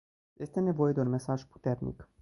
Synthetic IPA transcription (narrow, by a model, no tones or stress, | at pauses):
je̞st̪e̞ne̞vo̞je̞d̪eunme̞saʒpu̥t̪e̞rnḭk